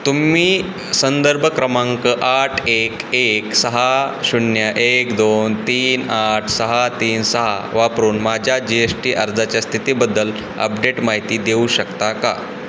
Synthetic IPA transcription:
t̪umiː | sənd̪əɾbʱəkɾəmãŋkəʔaʈʰekeksəɦaɕunjəʔekd̪ont̪iːnaʈʰsəɦat̪iːnsəɦa̰ʋapɾuːnmad͡ʑʱjad͡ʑiesʈiːʔəɾd͡zat͡ɕjast̪ʰit̪iːbəd̪ːəl | ə̰pɖeʈmaɦit̪iːd̪euɕəkt̪aka̰

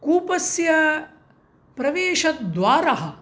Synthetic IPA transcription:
kuːpɐsjɐ | pɾɐʋeːʃɐt̪d̪ʋaːɾɐɦɐ̆

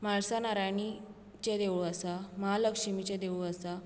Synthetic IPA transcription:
maɭsanaɾajɳi | t͡ɕed̪eʋɭuəsamaɦaləkʂimit͡ɕẽd̪eʋɭuəsa

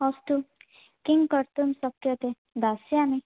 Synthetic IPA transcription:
ɔst̪u | kiŋkʌɾt̪umsʌkjɔt̪e | d̪ʱasjani

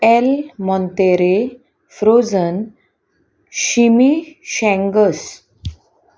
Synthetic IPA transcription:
ɛlmɔ̃nt̪eɾe | fɾod͡zən | ɕimiɕɛ̃ŋɡəs

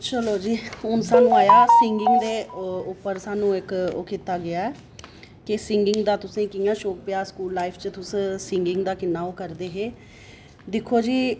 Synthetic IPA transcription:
t͡ʃəloːd͡ʒiːʊnsaːnũːaːjaːsɪŋɡɪŋɡd̪eːʊpːəɾsaːnũːɪko̰ːkɪt̪aːɡɪaːɛː | kɪsɪŋɡɪŋɡd̪aːt̪ʊsẽːkɪjãːʃoːk̚pɪjaːskuːlːaːɪpʰt͡ʃət̪ʊssɪ̃ŋɡɪŋɡd̪aːkɪnːaːoːkəɾd̪eːɦeː | d̪ɪkʰːoːd͡ʒiː

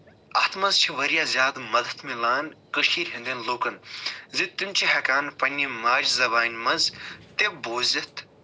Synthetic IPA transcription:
ɐht̪mɐnzt͡ʃʰiʋɐɾijaːzʲjaːd̪mɐd̪ɐt̪milaːnkəʃiːɾɦĩnd̪enloːkɐnzit̪ːimʲt͡ʃʰiɦɐkaːnpɐnʲːimaːd͡ʒzɐbaːnʲmɐnzt̪eboːzɐt̪ʰ

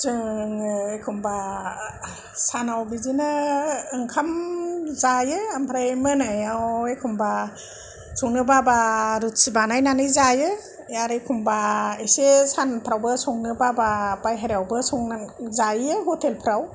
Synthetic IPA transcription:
sɯŋekʰumba | sanawbizinɯːŋkʰamzajɯampʰɾajmɯnajawekʰumba | sɔŋnɯbabaɾut̚sibanajnanɯjzajɯ | jaɾɯjkʰumbaesesanpʰɾawbɯsɔŋnɯbabapajɦaɾawbɯsɔŋnazajɯɦɔtʰelpʰɾaw

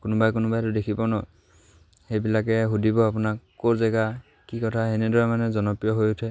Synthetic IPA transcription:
kʊnʊbajkʊnʊbajtʊdekʰibɔnɔ | xejbilakɛɦudibɔapʊnakkːoɹzɛɡa | kikɔtʰaenɛdɔɹamanɛzɔnɔpɹijɔɦojʊtʰɛ

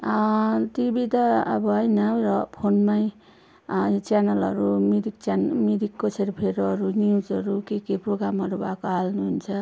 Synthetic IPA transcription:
t̪ibit̪ʌ̰ːbʌɦʌjnʌɾʌpʰonmaj | t͡sanʌlʌ̰ɾumiɾik̚t͡sanmiɾikːosʰeɾpʰeɾoʌɾuniuzʌɾukekeproɡɾamɦʌɾubakoɦalnuɦunt͡sʰʌ

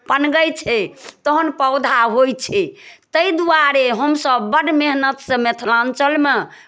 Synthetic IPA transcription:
pənɡəjt͡ʃʰɛt̪əɦənpəʊd̪ʱaɦojt͡ʃʰɛt̪əjd̪uwaɾeɦəmsəbːəɖmeɦnət̪sə̃met̪ʰlãnt͡ʃəlme

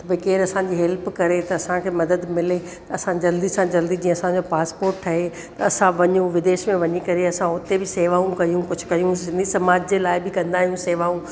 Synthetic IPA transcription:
t̪ɐbɐikeːɾɐsãːɲd͡ʑiːɦɛlpkɐɾet̪ɐɐsãkʰeːmɐd̪əd̪mɪle | t̪ɐɐsãd͡ʑɐld̪isãd͡ʑɐld̪id͡ʑĩːɐsãɲd͡ʑopaːspoːɾʈʈʰɐɦe | t̪ɐɐsãʋɐɲũʋɪd̪eːʃmẽʋɐɲikɐɾeɐsãʊt̪ebɪseːʋaːũkɐijũkʊd͡ʑʰʱʊ̥kɐijũsɪ̃nd̪isɐmaːd͡ʑd͡ʑelaːɪbɪkɐ̃nd̪aːɦijũseːʋaːũ

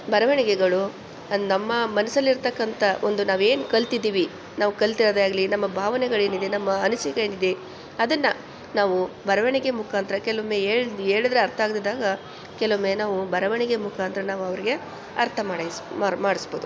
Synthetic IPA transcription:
bɐɾɐʋɐɳiɡɛɡɐɭu | ɐnɐmːɐmɐnɐsɐlːiɾt̪ɐkːɐnt̪ʰɐʔond̪unaːʋe̞ːnukɐlt̪id̪iːʋi | naːʋukɐlt̪iɾɐːd̪aːɡɐlinɐmːɐbʱaːʋɐnɛɡɐɭeːnid̪enɐmːɐːnusikɐeːnid̪e | ɐd̪ɐnːɐ | naːʋubʱɐɾɐʋɐɳiɡemukʰaːnt̪ɾɐkɛlɐʋumeeːɭd̪eːɭid̪ɐɾeɐɾt̪ʰɐaːɡd̪id̪ːaːɡɐ | kɛlɐʋumeːnaːʋubɐɾɐʋɐɳiɡemukʰaːnt̪ɾɐnaːʋuɐʋɐɾiɡe̞ | ɐɾt̪ʰɐmaːɽemaːmaːɽisboːd̪u

